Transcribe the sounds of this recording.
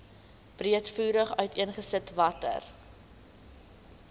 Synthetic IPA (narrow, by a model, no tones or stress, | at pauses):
b̥riətfuːɾəχœɥtiənχəsətvɐtə̰r